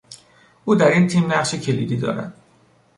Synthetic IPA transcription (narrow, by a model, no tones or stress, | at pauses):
ʔuːd̪æɾint̪ʰiːmnæɢʃecʰe̞lḭːd̪iːd̪ɒ̰ːɾæ̰d̪̥̚